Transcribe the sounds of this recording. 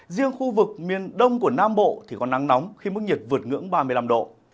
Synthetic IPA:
zi˧əŋxu˧vɨ˨˩k̚mi˨˩ənɗə˧wŋ͡mku˧˩ənaː˧mɓo̰˧˨t̪ʰi˨˩kɔ˨˦nːa˨˦ŋnɔ˨˦wŋ͡mxi˧m˦˥k̚ɲi˨˩t̚vɨ˨˩ət̚ŋɨ̰˧˥əŋɓaː˧mɨ˧jla˧mɗo̰˧˨

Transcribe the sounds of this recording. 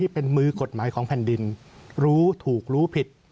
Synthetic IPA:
iː˥˩pe˧nmɯː˧ko˨˩t̪̚maː˩˦jkʰɔː˩˦ŋpʰɛ˨˩ndi˧n | ɾuː˦˥t̪ʰuː˨˩k̚ɾuː˦˥pʰi˨˩t̪̚

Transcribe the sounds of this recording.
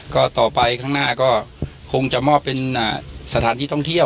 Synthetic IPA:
kɔː˥˩t̪ɔː˨˩pa˧jkʰaː˥˩ŋnaː˥˩kɔː˥˩ | kʰo˧ŋt͡ɕa˨˩mɔː˥˩pːe˧nʔaː˧˩sa˧t̪ʰaː˨˩˦nt̪ʰiː˥˩t̪ʰɔ˥˩ŋt̪ʰi˥˩ə

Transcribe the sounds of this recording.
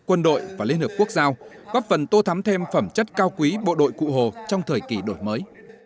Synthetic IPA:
kwə˧nɗo̰˧˨jvaː˨˩li˧ənhiː˧˩p̚ku˦˥ək̚zaː˧w | ɣɔː˦˥p̚fə˨˩nt̪o˧t̪ʰa˨˦mt̪ʰe˧mfə˧˩mt͡ɕə˦˥t̚kaː˧wkwi˨˦ɓo̰˧˨ɗo̰˧˨jkṵ˧˨ɦo˨˩t͡ɕɔ˧wŋ͡mt̪ʰəː˨˩jki˧˩ɗo˧˩jməː˨˦j

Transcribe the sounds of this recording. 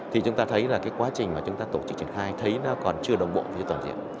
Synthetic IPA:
t̪ʰi˨˩t͡ɕʊ˨˦ŋ͡mt̪aː˧t̪ʰə˨˦jlaː˨˩kaː˨˦jkwaː˨˦t͡ɕï˨˩ŋ̟maː˨˩t͡ɕʊ˨˦ŋ͡mt̪aː˧t̪o˧˩t͡ɕɨ˦k̚t͡ɕḭ˧˩ə˨nxaː˧jt̪ʰə˨˦jlaː˨˦kɔ˨˩nt͡ɕɨ˧əɗə˨˩wŋ͡mɓo̰˧˨fi˧ət̪waː˨˩nzḭ˧˨əm

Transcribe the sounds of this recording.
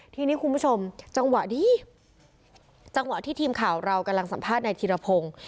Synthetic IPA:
t̪ʰiː˧niː˦˥kʰu˧nbu˦˥t͡ɕʰo˧mt͡ɕa˧ŋwa˨˩ʔdiː˧˩ | t͡ɕa˧ŋwa˨˩ʔt̪ʰiː˥˩t̪ʰiː˧mkʰaː˩˦wɾa˧wka˧mla˧ŋsa˨˩˦mpʰaː˥˩t̪̚na˧t̪ʰiː˧ɾa˧pʰoː˧ŋ

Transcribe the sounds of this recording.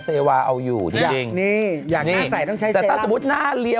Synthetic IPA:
seː˧waː˧ʔa˧wjuː˨˩t͡ɕi˧a˨t͡ɕi˧ŋniː˥˩jaː˨˩kniaː˥˩˥sa˨˩˦jt̪ɔ˥˩ŋt͡ɕʰa˦˥jtɛ˨˩e˧aː˥˩su˨˧˦mu˦˥t̪̚naː˥˩li˧ə

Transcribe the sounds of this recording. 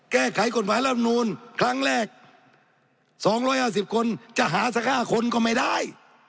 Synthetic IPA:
kɛː˥˩kʰa˨˦jko˨˩t̪̚maː˨˦jla˧˥˩p̚nuː˧˥nkʰɾa˦˧˥ŋɾɛː˥˩k̚ | sɔː˨˦ŋɾɔː˧˥˩jhaː˧˥˩si˨˩p̚kʰo˧nt͡ɕa˨˩ʔɦaː˨˦sʰa˧˥kʰaː˧˥˩kʰo˧nkɔː˧˩ma˥˩jda˥˩j

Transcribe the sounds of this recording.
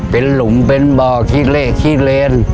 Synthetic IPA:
pe˨˧˦nlʊ˨˦ŋ͡mpe˧nɓɔː˨˩kʰi˧˥le˧˨kʰi˧le˧n

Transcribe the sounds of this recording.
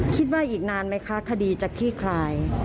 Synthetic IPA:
kʰi˦˥t̪̬̚waː˥˩ʔiː˨˩k̚naː˧nma˦˥jkʰa˦˥kʰa˧diː˧t͡ɕaː˨˩kʰɾiː˥˩kʰlaː˧j

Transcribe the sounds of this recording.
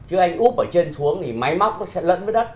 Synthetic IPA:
t͡ɕɨ˨˦ʔa˧jŋ̟ʔu˦˥p̚ʔəː˧˩t͡ɕe˧nsu˨˦əŋt̪ʰi˨˩ma˨˦jma˦˥wk͡p̚nɔ˨˦sɛ̰˧˥lwə̰˧˨nvə˨˦ɗə˦˥t̚

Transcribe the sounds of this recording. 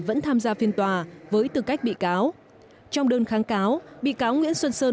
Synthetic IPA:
və̰˧˥nt̪ʰaː˧mzaː˧fi˧ənt̪waː˨˩vəː˨˦jt̪ɨ˨˩ka˦˥jk̟̚ɓḭ˧˨kaː˨˦w | t͡ɕɔ˧wŋ͡mɗəː˧nxaː˨˦ŋkaː˨˦wɓḭ˧˨kaː˨˦wŋwḭ˧˥ənswə˧nsəː˧

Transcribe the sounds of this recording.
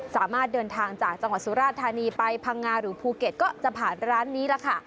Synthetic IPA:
saː˩˦maː˥˩t̪̚dɤː˧nt̪ʰaː˧ŋt͡ɕaː˨˩k̚t͡ɕa˧ŋwa˨˩t̪̚su˨˦ɾaː˥˩t̪ʰːaː˧niː˧pa˧jpʰa˧ŋːaː˧ɾɯː˩˦pʰuː˧ke˨˩t̪̚kɔː˥˩t͡ɕa˨˩pʰaː˨˩nɾaː˦˥nːiː˦˥la˧˩kʰa˥˩

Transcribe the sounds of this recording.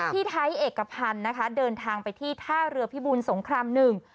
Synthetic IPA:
t̪ʰiː˥˩t̪ʰa˦˥jʔeː˨˩kːa˧pʰa˧nːa˦˥kʰa˦˥dɤː˧nt̪ʰaː˧ŋpa˧jt̪ʰiː˥˩t̪ʰaː˥˩ɾɯ˧ɐpʰi˦˥buː˧nso˩˦ŋkʰɾaː˧mnɯ˨˩ŋ

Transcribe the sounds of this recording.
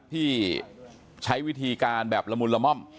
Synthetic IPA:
t̪ʰiː˥˩ | t͡ɕʰa˦˥jwi˦˥˩t̪ʰiː˧kaː˧nbɛː˨˩p̚la˧mu˧nla˧mɔ˥˩m

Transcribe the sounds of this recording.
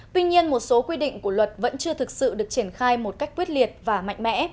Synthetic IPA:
t̪wi˧ɲi˧ənmo˨˩t̚so˨˦kwi˧ɗḭ˧˨ŋ̟ku˧˩əlwə˨˩t̚və̰˧˥nt͡ɕɨ˧ət̪ʰɨ˨˩k̚sɨ̰˧˨ɗɨ˨˩ət͡ɕi˧˩ənxaː˧jmo˨˩t̚ka˦˥jk̟̚kwi˦˥ət̚li˨˩ət̚vaː˨˩ma̰˧˨jŋ̟mɛ̰˧˥

